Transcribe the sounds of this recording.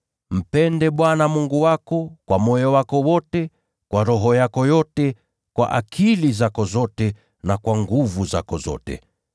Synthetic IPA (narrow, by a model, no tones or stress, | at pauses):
m̩pɛndɛɓwanamuŋɡuwakɔkwamɔjɔwakɔwɔtɛ | kwaɾɔɦɔjakɔjɔtɛ | kwa̰ʔakʰilizakɔzɔtɛ | nakwaŋɡuvuza̰kɔzɔ̰tɛ̰